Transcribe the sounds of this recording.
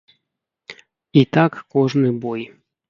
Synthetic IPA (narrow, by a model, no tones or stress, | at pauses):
it̪akːoʐnɨboj